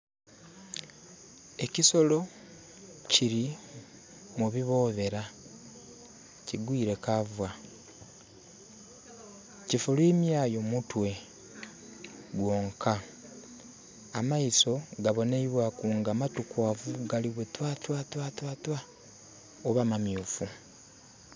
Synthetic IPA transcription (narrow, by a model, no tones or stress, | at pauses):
e̞ciso̞lo̞ | ciɾi | muβiβo̞ːβe̞ɾa | ciɡwiːɾe̞kavwa | cifulwiːmjaːjo̞mutwe̞ | ɡwo̞ːŋkʰa | maiso̞ɡaβo̞neiβwakuːŋɡamatukwaːvuɡaliβwetwaːtwaːtwatwaːtwa | oβamamjuːfu